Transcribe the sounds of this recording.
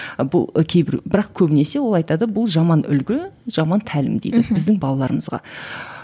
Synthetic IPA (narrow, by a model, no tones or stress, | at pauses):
bʊ̰lˠkʲʰe̞jbɪ̰ɾbɪɾɑqkʲʰɵbɪne̞se̞wo̞lˠɑjt̪ɑd̪əbʊlˠʒɑmɑnʏ̰lɡʲɪʒ̥ɑmɑnt̪ʰælɪ̰md̪ḛjd̪ɪbɪzd̪ɪŋbɑlˠɑlˠɑɾəməzʁɑ̰